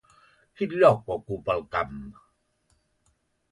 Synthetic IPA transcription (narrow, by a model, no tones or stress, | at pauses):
hʰit̪̚lɔkwakupakam